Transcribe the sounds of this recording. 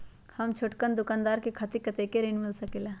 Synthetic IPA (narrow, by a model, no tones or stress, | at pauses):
hɐmt͡ʃʰoʈkənd̪ʊkaːnd̪aːɾkekʰaːt̪ikət̪ekeɾɪnmɪlsɐkelaː